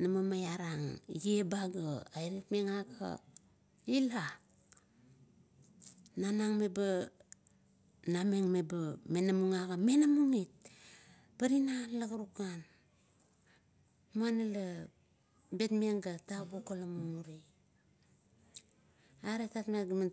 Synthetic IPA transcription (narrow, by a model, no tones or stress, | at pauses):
namamajaɾaŋjebaɡaaeɾetmeŋakʰa̰ | ila | nanaŋmeba | name̞ŋmebame̞namuŋaɡame̞namuŋit̚ | paɾinanlaɡaɾukan | muanala | be̞tmieŋɡataɡokolamumuɾi | aɾetatmaɡama